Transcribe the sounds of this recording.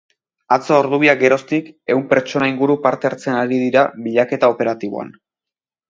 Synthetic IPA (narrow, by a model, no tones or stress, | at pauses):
at͡soːɾðuβiak̚ɡe̞ɾo̞st̪ike̞uwmpe̞ɾt͡ʃo̞naiŋɡuɾupaɾt̪e̞aɾt͡senaɾiðiɾaβiʎake̞t̪ao̞pe̞ɾat̪iβ̞o̰a̰n